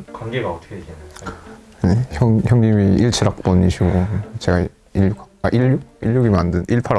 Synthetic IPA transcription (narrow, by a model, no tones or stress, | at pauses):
kwaŋɡeɡaʌt̪ʰʌɡʰed͡ʑianaa | neʌŋçjʌŋɲimiiɭt͡ɕʰɯɾak̚p͈ʌniɕʰiɡot͡ɕe̞ɡa | iʎukaʔiʎːuk̚iʎːuɡimandɯniɭpʰaɾa